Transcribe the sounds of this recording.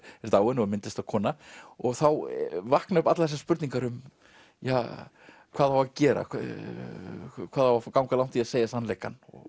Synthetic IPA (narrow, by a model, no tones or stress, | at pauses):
ɛɾt̪aːwʏnɔɣmɪnt̪ɪst̪aðkʰɔːnaɔɣθawvahknaʏpat̪laðθɛs̬ḁspʏɾt̪niŋkaɾʏm | jaː | kʰvaːðhawvacɛːɾa̰ | kʰv̥aːðhawvafkawŋkalawn̥t̪ʰiaseːjasanlɛjka̰nɔ̰